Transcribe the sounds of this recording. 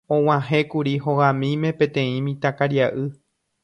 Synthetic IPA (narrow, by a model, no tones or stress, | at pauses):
õw̃ãɦẽkuɾiɦoɣãmĩmẽ̞pẽ̞t̪ẽ̞ĩmĩt̪akaɾiaʔɨ